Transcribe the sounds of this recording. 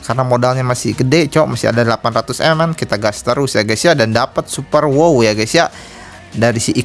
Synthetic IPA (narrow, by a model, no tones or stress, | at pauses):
karnamodalɲamasiɡədɛt͡ʃowamasia̰dadəlapanrat̪usɛmankit̪aɡast̪əɾusjaɡasiadandapət̪̚supərwowjaɡajsiaʔ | daɾisiʔi